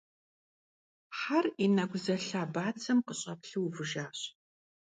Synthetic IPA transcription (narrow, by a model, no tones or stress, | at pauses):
ħarinaɡʷʊzɐɬaːbaːt͡sʰɐmqəɕʼɐpɬɨwvɨʒaːɕ